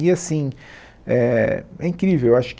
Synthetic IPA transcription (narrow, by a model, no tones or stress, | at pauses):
iasĩ | ɛɛĩŋkɾivewewaʃʊ̥k